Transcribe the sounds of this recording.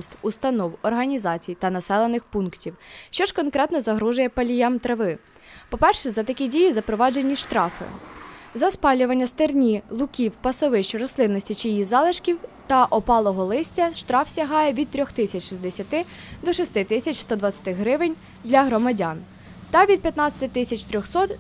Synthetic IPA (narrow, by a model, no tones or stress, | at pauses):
st̪ust̪ɐnɔwɔrɦɐnʲizɑt͡sʲijt̪ɐnɐsɛlˠenɪxpunktʲiwʃt͡ʃɔʃkɔnkɾɛt̪nɔzɐɦɾuʒʊjɛpɐlʲijamt̪ɾɐʋɪ | pɔpɛrʃɛzɐt̪ɐkʲidʲijizɐpɾɔʋɑd͡ʒenʲːiʃt̪ɾɑfɪ̰zɐspɑlʲʊʋɐnʲːɐst̪ernʲilˠʊkʲiwpɐsɔʋɪʃt͡ʃrɔst̪ˠɪnːɔsʲtʲit͡ʃijijizɑlˠɪʃkʲiwt̪ɐʔɔpɑlˠɔɦɔlˠɪsʲtʲɐʃt̪ɾɑfsʲɐɦɑjɛʋʲid̪̚t̪ɾʲɔxt̪ɪsʲɐt͡ʃʃizd̪esʲɐt̪ɪd̪ɔʃist̪ɪt̪ɪsʲɐt͡ʃst̪ɔd̪ʋɐt͡sʲɐt̪ɪɦɾɪʋɪnʲ | d̪lʲɐɦɾɔmɐdʲan | t̪ɐʋʲid̪̚pʲjɐt̪nɑt͡sʲɐ̥t̪ɪt̪ɪsʲɐt͡ʃt̪ɾʲɔxsɔt̪